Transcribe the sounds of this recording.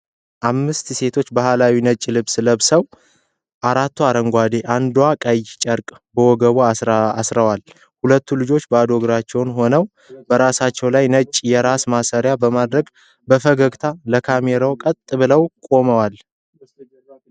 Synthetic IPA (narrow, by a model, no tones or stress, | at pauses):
ʔamːɨst̪se̞t̪ʰo̞t͡ʃːbahalawinət͡ʃʼːlɨβsləβsəw | ʔaɾat̪ʰːuaɾəŋɡʷad̪e̞ʔand̪wakʼəjt͡ʃʼəɾkʼ | bəwɔɡəβoaasɾəwal | hulət̪ʰːulɨd͡ʒo̞t͡ʃːbəad̪o̞ɡɾat͡ʃːɛwnho̞nəw | bəɾasat͡ʃːɛwlajnət͡ʃʼːjɛɾasmasəɾjabəmad̪ɾəɡ | bəfəɡəɡt̪ʰaləkʰameɾawkʼət̪ʼːɨbɨləwkʼo̞məwal